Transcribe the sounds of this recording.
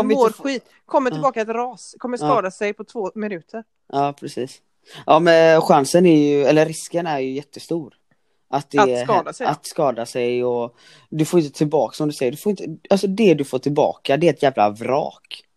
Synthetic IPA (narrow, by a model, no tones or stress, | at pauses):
oːɾɧiːt̪ | kʰɔmːəʈɪbɑːkaɛt̪ɾɑːskʰɔmːəsɑːd̪asɛjpʰɔt̪ʰvoːmɪnʉ̟ːt̪ʰəɾ | ɑːpʰɾɛsiːs | ʔɑːmɛnɧansənæɾjɵɛlːəɾːɪskənæɾjɵjɛt̪ːəst̪uːɾ | ʔat̪̚d̪ɛɑːd̪aɛat̪skɑːd̪asɛjɔ | d̪ɵfoːɾɪnt̪ət̪ʰɪlbɑ̰ːksɔmd̪ɵsɛjːəɖɵfoːɾɪnt̪əalsɔd̪ɛd̪ɵfoːʈʰɪlbɑ̰ːkad̪ɛːɛt̪jæːvla̰vɾɑ̰ːk